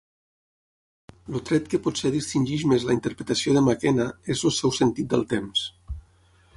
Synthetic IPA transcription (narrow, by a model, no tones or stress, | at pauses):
lut̪ɾɛt̪kəpɔt̪seðist̪inʲʒiʒmezlaint̪əɾpɾet̪asioðəmakɛnaezəlˠsɛwsənt̪it̪̚d̪ə̰lˠt̪ems